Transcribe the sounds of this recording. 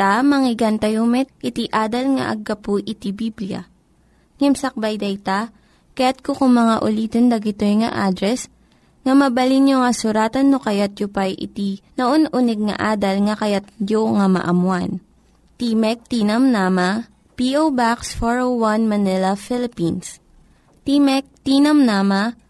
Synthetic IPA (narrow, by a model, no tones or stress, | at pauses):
t̪amɐŋɪɡant̪ɐjomɛt̪̚ʔɪt̪iʔaːd̪ɐlŋɐ̰ʔɐ̰ɡːɐpuʔɪt̪ibiblijɐ̰ | ŋɛmsɐk̚bajd̪ɛjt̪a | kɐjat̪̚kokʊŋmɐŋaʔʊliːt̪ond̪ɐɡɪt̪ojŋɐ̰ʔaːd̪ɾɛs | ŋɐmɐbɐlinjoŋɐsʊɾaːt̪ɐnːokɐjat̪̚jʊpajʔɪ̰t̪inɐʔonʔunɛɡ̚ŋɐ̰ʔaːd̪ɐlŋɐkɐjat̪̚joŋamɐ̰ʔɐmwan | t̪imɛk̚t̪iːnɐmnamɐ | piʔowbaksfoɹowanmɐnɪlɐfɪlɪpins | t̪imɛk̚t̪inɐmnaːmɐ